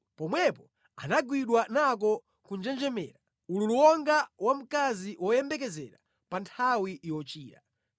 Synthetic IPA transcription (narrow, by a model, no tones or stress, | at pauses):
pɔmwɛpɔ | a̰naɡwiɗwanak̬ɔ | kund͡ʒɛnd͡ʒɛmɛ̰ːɾa | ululuwɔŋɡawam̩kaziwʔɔjɛmbɛk̬ɛzɛɾa̰ | pantʰawiʔwɔt͡ʃiːɾa